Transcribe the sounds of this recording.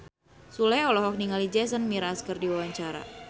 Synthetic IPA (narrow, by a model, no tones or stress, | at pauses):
sulɛɔlɔɦɔk̚niŋalid͡ʒɛs̬ənmiɾaskərdiwawaɲt͡ʃaɾa̰